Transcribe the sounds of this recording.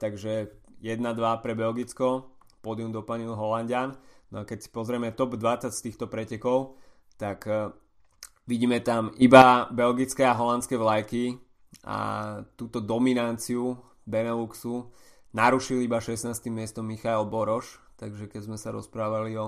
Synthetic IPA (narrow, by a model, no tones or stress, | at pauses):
t̪aɡʒɛjɛd̪nad̪ʋapɾɛbɛlɡit͡skɔ | pɔd̪jumd̪ɔpaɲilɦɔlanɟɪannɔakɛcsi̥pɔzɾɛmɛt̪ɔbd̪ʋat͡sacst̪iːxt̪ɔpɾɛcɛkɔʊ | t̪ak | ʋiɟiːmɛt̪amibabɛlɡit͡skɛaɦɔlant͡skɛʋlajki | a̰t̪uːt̪ɔd̪ɔminant͡siu | bɛnɛluksu | naɾuʃilibaʃɛsnaːst̪imːɪɛst̪ɔmːixaɛlbɔɾɔʃt̪aɡʒɛkɛzmɛsaɾɔ̰spɾaːʋaliɔ